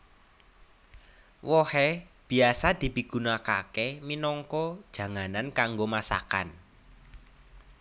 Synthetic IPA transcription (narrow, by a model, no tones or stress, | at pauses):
wɔhɛb̥i̤asad̪̥i̤piɡ̥unakakeminɔŋkɔd̥ʒ̥ä̤ŋanankaŋɡomasa̰ka̰n